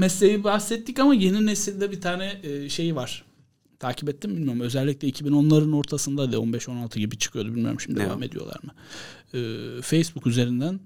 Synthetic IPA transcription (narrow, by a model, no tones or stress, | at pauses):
mɛslʲejibahsɛt̪ːicamaje̞ninesilʲd̪ɛbit̪ʰaːnɛːʃe̞jvaɾ̥ | t̪ʰaːcʰipɛt̪ːimbilʲmijo̞ɾumø̞zɛlʲːicʲlʲɛicʰibino̞nlˠaɾɯno̞ɾt̪ʰasɯnd̪ad̪ɛo̞̰nbɛʃo̞nalˠt̪ʰɯɟibit͡ʃʰɯ̥kʰɯjo̞d̪ubilʲmyjoɾmʃimid̪dḛva̰me̞d̪ijo̞̰lˠa̰ɾmɯ | ɛːfejsbukyze̞ɾind̪æn